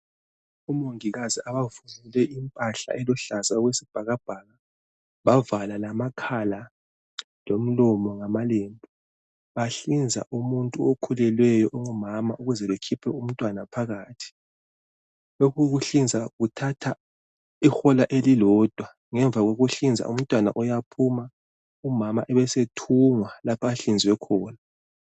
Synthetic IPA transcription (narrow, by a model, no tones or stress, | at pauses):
umoŋiɣaziaβavumulɛʔimpʼaɬa̰ʔɛlɔɬazaɣwesib̥ʱaɣab̥ʱaɣa | βavalalamakʰala | lom̩lɔmɔŋamaleːmbʱɔ | βaɬind͡zʱa̰ʔumuntʼuokʰulɛlwɛjɔʔɔŋɔmamaʔuɣuzɛβekʰipʰɛum̩tʼwanapʰaɣaːtʰi̥ | loɣuɣuɬind͡zʱaɣutʰatʰa | ixɔlaʔelilɔd̥ʱwa | ŋɛɱb̪vʱaɣoɣuɬind͡zʱa̰ʔum̩tʼwana̰ʔɔjapʰuma | umamaʔɛβɛsetʰuŋwalapʰaːɬind͡zwɛkʰɔːna